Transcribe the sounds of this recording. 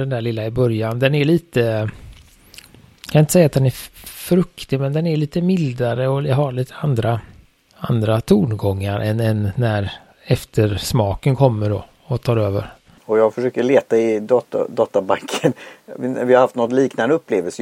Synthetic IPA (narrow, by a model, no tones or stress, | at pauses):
d̪ɛnd̪æːɭɪlːaɪbœɾjand̪ɛnæɾɭiːt̪ə | kʰanaɪnt̪əsɛjːat̪̚d̪ɛnæfɾɵkt̪ɪmɛnd̪ɛnæɭiːt̪əmɪld̪aɾəɔlɦaɭiːt̪ʰə̥and̪ɾa | a̰nd̪ɾat̪ʰuːɳɡɔŋːaɾʔɛnɛnːæɾ | ɛft̪ʰəɾʂmɑːkənkʰɔmːəɖɔ̰ | ɔt̪ʰɑːɾøːvə̰ɾ | ɔjɑːɡfœʂøːkəɭeːt̪aɪd̪ɑt̪d̪ɑːt̪ːabaŋkʰːənvɪhaɾhaft̪nɔtnliːknand̪əɵpːleːvəlsə